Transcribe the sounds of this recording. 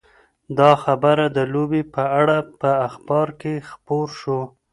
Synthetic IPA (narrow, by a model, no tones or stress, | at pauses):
d̪ɑxabəɾad̪əlobepəaɽapəaxbɑɾkexpoɾʃo